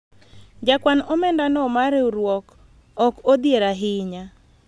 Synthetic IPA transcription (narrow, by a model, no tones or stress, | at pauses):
d͡ʒakwanɔmɛndanɔmaɾeuɾwɔk | ɔkod̪jeɾaɦɪɲa